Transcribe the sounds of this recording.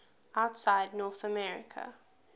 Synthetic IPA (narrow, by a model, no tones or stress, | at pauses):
aʊtsaɪdⁿnɔːˑθəmɛɹɪ̰kʰə̰